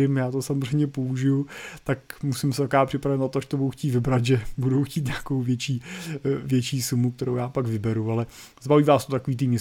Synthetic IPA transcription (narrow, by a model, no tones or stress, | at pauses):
ɪmjaːt̪osamor̝ɛjmɲɛpouʒɪjut̪akmusɪmsɛt̪akaːpr̝̥ɪpɾavɛt̪nat̪oaʃt̪obuduxcʲiːt̪vɪbɾat̪ʒɛbudowxciːt̪ɲeakowvjɛt͡ʃiːvjɛt͡ʃiːsumuk̚t̪ɛɾowjaːpaɡvɪbɛɾualɛ | zbaviːvaːst̪ot̪akoviːt̪ɪmɲɛs